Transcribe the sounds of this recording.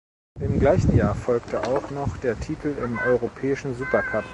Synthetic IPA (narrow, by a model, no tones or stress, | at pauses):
ʔɪmɡlaɪçn̩jaːɐfɔlktʰəʔaʊxnɔχd̥eːɐtʰiːtʰl̩ɪmʔɔʏʁopʰɛːɪʃn̩zuːpɐkʰap